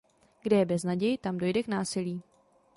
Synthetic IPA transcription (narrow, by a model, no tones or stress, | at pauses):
ɡdɛjɛbɛznaɟɛjɪt̪amdo̞jdɛknaːsɪliː